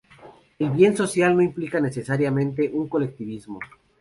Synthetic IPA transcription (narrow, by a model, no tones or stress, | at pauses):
e̞lβje̞nso̞sjalno̞implikane̞se̞saɾjamẽ̞nt̪̬e̞ʔuŋko̞le̞k̚t̪iβizmo̞